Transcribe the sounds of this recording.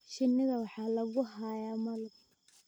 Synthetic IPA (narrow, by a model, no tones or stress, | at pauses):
ʃɪnːɪɣɐwɑħɑːlɐɣʊɦajaːmɐlʊ